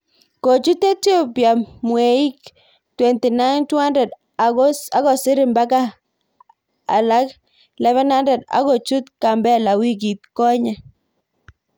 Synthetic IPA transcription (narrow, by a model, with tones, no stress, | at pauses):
ko˨t͡ʃu˦te˦tjo˦pja˨mwe˨i˦k | twɛ˨nti˨na˦ntwa˦ndɛ˨d | a˨ɡɔ˦a˨˦ɣɔ˨sɪ˦ɾɪ˨mba˦ka˦ | a̰˨la˦k | lɛ˦βɛ˦na˦ndɛ˨da̰˨ɡɔ˨t͡ʃu˦t̪ka˨mbɛ˦la˨wi˦ɡ̬i˨t̪̚kɔ˦ɲɛ˨